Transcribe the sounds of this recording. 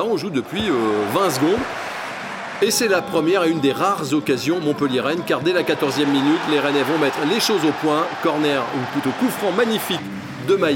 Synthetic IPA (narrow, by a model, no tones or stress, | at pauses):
aɔ̃ʒud̪əpɥiøvɛ̃sɡɔ̃d̪ | esɛlapχəmjɛʁeynd̪eʁaʁzɔkazjɔ̃mɔ̃pəljeʁɛnkaʁd̪ɛlakat̪ɔʁzjɛmːinyt̪leʁɛnɛvɔ̃mɛt̪χleʃozopwɛ̃kɔʁnɛʁuplyt̪okufχɑ̃maɲifik | d̪əmaj